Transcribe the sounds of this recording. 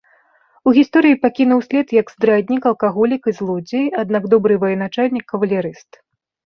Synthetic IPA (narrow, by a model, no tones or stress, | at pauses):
uɣʲist̪ɔɾɨjipakʲinɐwsʲlʲɛt̪jɐɡzd̪ɾad̪ʲnʲikɐlˠkaɣɔlʲikɨzlˠɔd͡zʲejad̪naɡd̪ɔbɾɨvɐjɛnat͡ʂalʲnʲikʰːɐvɐlʲaɾɨst̪